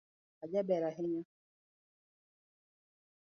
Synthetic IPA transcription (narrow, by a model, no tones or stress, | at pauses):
ad͡ʒɛbɛɾaɦɪɲa